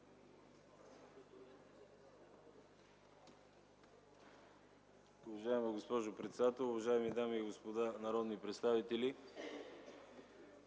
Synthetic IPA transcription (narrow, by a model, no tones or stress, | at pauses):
ʊvɐʒaɛmɐɡospɔʒopɾɛt̪sɛd̪at̪ɛlˠʊvɐʒaɛmid̪amiːɡospod̪anɐɾɔd̪nipɾɛt̪st̪avit̪ɛli